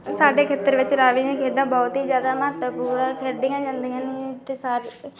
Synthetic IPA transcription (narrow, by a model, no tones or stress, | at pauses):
saːɖeːkʰeːt̪əɾʋɪt͡ʃɾaːʋiːnẽːkʰeːɖãːbɔːt̪ɦiːzjaːd̪aːməət̪əpuːɾãːkʰeːɾd̪ɪ̃jãːd͡ʒãːnd̪ijãːnet̪eːsaɾ